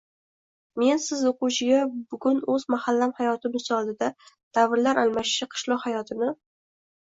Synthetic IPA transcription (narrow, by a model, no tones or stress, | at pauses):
me̞nsɪzoqʊwʃɪɡʲabʊɡʲʊnɵzmahalːamhajɒt̪ɪmɪzɒlˠd̪ɪd̪at̪ʰavɪɾlaɾalˠmaʃɪ̥ʃɪqʰɨ̥ʃlˠɒqhajɒt̪ʰɪnɪ